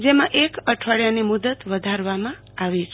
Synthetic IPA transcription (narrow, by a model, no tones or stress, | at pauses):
d͡ʒemãʔekəʈʰəɽjanemud̪ət̪ʋəd̪ʱaɾʋamã | aʋet͡ʃʰ